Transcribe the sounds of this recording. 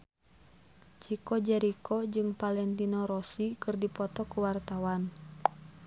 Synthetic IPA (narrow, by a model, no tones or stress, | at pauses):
t͡ʃikɔd͡ʒɛɾikʰɔd͡ʒɨŋpalɛnt̪inɔɾɔsikɨrdipɔt̪ɔkuwart̪awan